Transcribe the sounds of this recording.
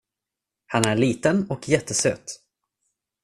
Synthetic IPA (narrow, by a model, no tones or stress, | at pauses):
hanæɭiːt̪ənɔkʰjɛt̪ʰːəsø̰ːt̪